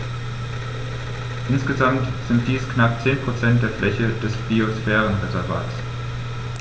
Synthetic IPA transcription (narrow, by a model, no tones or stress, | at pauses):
ʔɪnsɡ̥əzamtz̥ɪnt̚d̥iːsknap̚t͡seːnpʁ̥ot͡sɛnt̚d̥eːɐflʔɛçəd̥ɛsb̥iosfɛːʁənʁɛzɛɐlva̰ːts